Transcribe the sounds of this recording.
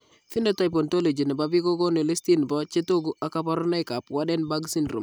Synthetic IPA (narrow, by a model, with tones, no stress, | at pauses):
fi˦ne˦ta˦jpo˨nto˦le˨d͡ʒi˨ne˨ba˦bi˦ɡo˦ɡo˦ne˨le˦sti˦nbɔ˦t͡ʃe˦to˦ɡu˦ʔa˨ka˦pa˦ɾo˦na˦jka˨pwa˦de˦nba˦ɡsi˦nɾṵ˨m